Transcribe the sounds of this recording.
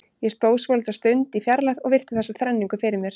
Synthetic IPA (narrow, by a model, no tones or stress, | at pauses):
jɛst̪oːwsvœlt̪ast̪ʏɥnt̪ifjaɾlaðɔɣvɪr̥t̪ɪ̥θɛsːaθɾɛnːiŋkʏfɪɾɪɾmjɛɾ̥